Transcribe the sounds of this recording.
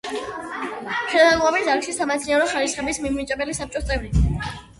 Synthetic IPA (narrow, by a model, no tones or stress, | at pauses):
ʃʰɛd̪alabizaɾkʃisamɛt̪sʰiaɾɔχaɾisχɛbismimnit͡ʃʼɛbɛlisap̚t͡ʃʼɔst̪ʼɛvɾi